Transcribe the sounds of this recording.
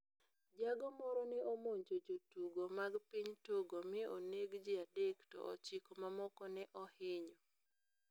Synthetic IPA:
d͡ʒaɡɔmɔɾɔnɪomoɲd͡ʒod͡ʒotuɡomaɡpiɲtoɡomɪoneɡd͡ʒɪadektɔ̰ʔɔ̰t͡ʃikomamɔkɔnɛʔɔhɪɲo

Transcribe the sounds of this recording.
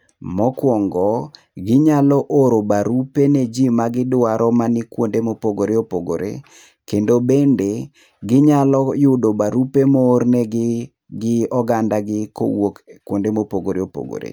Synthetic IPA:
mɔkwɔŋɡɔ | ɡɪɲalɔʔoɾobaɾupened͡ʒimaɡɪdʊaɾɔmanɪkwondemopoɡoɾeopoɡo̰ɾʔḛ | kendobende | ɡɪɲalɔjʊdobaɾupemoːrnɛɡ | ɡɪɔɡandaɡɪko̰wokkːwondemopoɡoɾeopo̰ɡo̰ɾḛ

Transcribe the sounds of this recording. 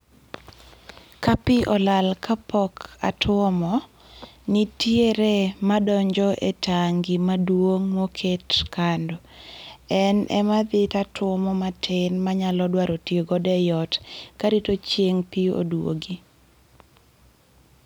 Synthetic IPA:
kapiʔɔlalkapɔka̰twɔmɔ | nitjeɾemadɔɲd͡ʒɔʔetʰaŋɡimadwoŋmokʰetkandɔ | ɛnɛ̰mad̪ɪtatwɔmɔmatʰɪnmaɲalɔdwaɾotjeɡɔdɛjɔtkaɾitot͡ʃjeŋpio̰dwo̰ɡi

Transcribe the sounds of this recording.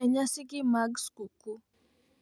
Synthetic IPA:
ɛɲasikimaɡskuku

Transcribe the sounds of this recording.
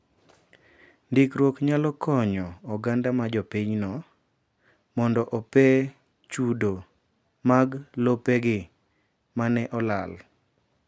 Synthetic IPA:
ndikɾwokɲalɔkʰɔɲɔɔɡandamad͡ʒɔpiɲnɔ | mɔndɔʔɔpɛ | t͡ʃudo | maɡlopɛɡɪ | manɛʔɔlal

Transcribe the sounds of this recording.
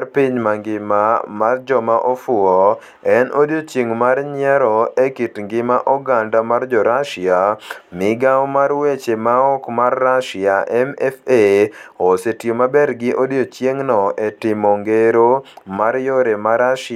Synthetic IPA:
rpiɲmaŋɡɪmamard͡ʒɔmaʔofʊɔ | ɛnʔodjot͡ʃjeŋmaɾɲɪɛɾɔekitŋɡɪmaʔɔɡandamard͡ʒɔɾaʃɪamɪɡawɔmarwet͡ʃemaɔkmarːaʃɪaʔɛmɛfeosetjomabɛɾɡɪʔodjot͡ʃjeŋnɔetɪmoŋɡeɾomaɾjoɾemaɾaʃ

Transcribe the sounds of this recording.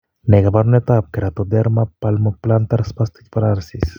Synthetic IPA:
nekabaɾunet̪ap̚keɾat̪od̪eɾmapalmoplant̪aɾspast̪ikpaɾaɾsis

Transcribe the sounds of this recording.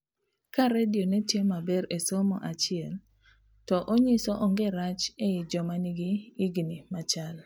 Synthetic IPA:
kaɾedionɛtjemabɛɾesomɔ̰ʔat͡ʃɪɛl | tɔʔoɲɪsɔʔɔŋɡeɾat͡ʃeɪd͡ʒɔmaniɡiiɡnimat͡ʃal

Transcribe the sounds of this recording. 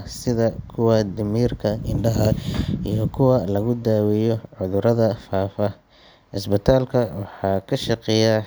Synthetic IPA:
sɪðɐkʰʊwɑd̪ɪmiːrkʰɐɪɳɖɐɦɐijɞkʰʊwɐlɐɣʊd̪aːwɪjɔʕʊðʊɾɐðɐfaːfɐ | ʕɪsbɪt̪ʰaːlkʰɐwɑħɑːkʰɐʃɑqɛja

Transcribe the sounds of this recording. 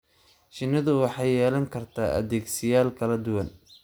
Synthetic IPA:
t͡ʃɪnːɐðʊwɑħɑːjɛːlɐŋkʰɐrt̪ʰaːʔɐ̰ðɛːɡsɪjaːlkʰɐlɐd̪ʊwɐn

